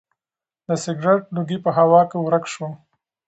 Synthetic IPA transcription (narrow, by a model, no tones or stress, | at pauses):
d̪əsɪɡɾeʈ̚luɡipəɦawɑkewɾəkʃwo